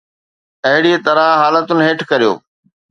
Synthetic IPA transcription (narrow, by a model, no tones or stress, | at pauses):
ɐɦɪɽiet̪ɐɾəɦɦaːlət̪ʊnɪɦeːʈʰkɐɾijo̰ː